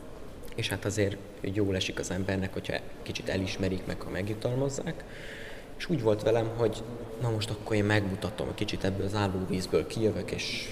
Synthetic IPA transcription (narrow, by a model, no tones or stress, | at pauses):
eːʃhat̪ɒzeːr | joːlɛʃikɒzɛmbɛrnɛkhochɒ̰kit͡ʃit̪ɛ̰liʃmɛɾikmɛ̰khɒmɛɡjut̪ɒlmɒzːaːk | eʃuːɟvo̞lt̪ʋɛlɛmɦo̞ɟ | nɒmo̞ʃt̪ɒkːoɾeːmmɛɡmut̪ɒt̪o̞̰mkit͡ʃit̪ɛbːøːlɒzaːlːoːviːzbøːlkijøvøkḛːʃ